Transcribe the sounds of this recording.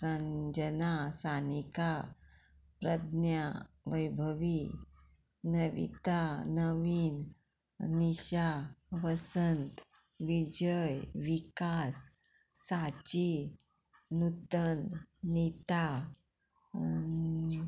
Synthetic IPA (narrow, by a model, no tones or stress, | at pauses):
səɲd͡ʑənasanika | pɾəd̪nja | ʋəjbʱəʋi | nəʋḭt̪anəʋiːn | niɕaʋəsənt̪ | ʋid͡ʑəjʋikasː | at͡ɕi | nut̪ənnit̪a